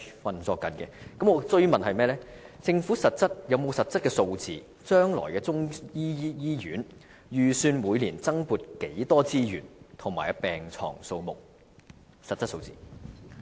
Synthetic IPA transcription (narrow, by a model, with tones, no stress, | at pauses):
fɐ˨nt͡sɔː˧kːɐ˨˥nkɛ̰˧kɐ˨˥mŋɔː˨˧t͡sɵ˥ɥmɐ˨nhɐ˨jmɛː˥lɛː˥t͡sɪ˧ŋfuː˨˥sɐ˨t̚t͡sɐ˥t̚jɐ˨˧wmo˨˧wsɐ˨t̚t͡sɐ˥t̚kɛː˧so˧wt͡siː˨ | t͡ʃœː˥ŋlɔ̰ː˨˩jkɛː˧t͡sʊ˥ŋjiː˥jiː˥jyː˨˥n | jyː˨syː˧nmuː˨˧jliː˨˩nt͡sɐ˥ŋpuː˧t̚ke˨˥jt̪ɔː˥t͡siː˥jyː˨˩nt̪ʰʊ˨˩ŋmaː˨˩jpɛː˨ŋt͡ʃʰɔ̰ː˨˩ŋso˧wmʊ˨k̚ | sɐ˨t̚t͡sːɐ˥t̚so˧wt͡sḭː˨˩